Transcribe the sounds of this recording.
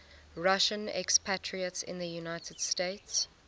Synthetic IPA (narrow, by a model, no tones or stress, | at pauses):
ɹaʃə̃nɛ̰kspʰætʰɹiətsɪ̰̃nðəjunaɪtʰəd̥steɪts